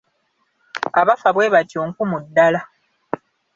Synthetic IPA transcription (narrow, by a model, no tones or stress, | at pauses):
aβafaβwe̞ːβacoːŋkumudːala